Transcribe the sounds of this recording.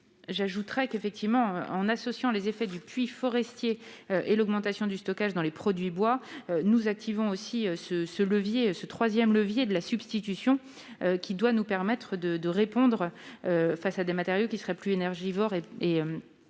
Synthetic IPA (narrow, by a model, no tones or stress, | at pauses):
ʒaʒut̪χɛkefɛk̚t̪ʰivmɑ̃ɑ̃nasɔsjɑ̃lezefɛd̪ypɥifɔʁɛst̪jeøʔelɔɡmɑ̃t̪asjɔ̃d̪yst̪ɔkaʒd̪ɑ̃lepχɔd̪ɥibwaønuzak̚t̪ʰivɔ̃osiøsəsələvjesət̪χwazjɛmləvjed̪əlasybst̪it̪ysjɔ̃ | økʲʰid̪wanupɛʁmɛt̪χəd̪əd̪əʁepɔ̃d̪ʁøfasad̪emat̪eʁjokʲisəʁɛplyenɛʁʒivɔʁeeøm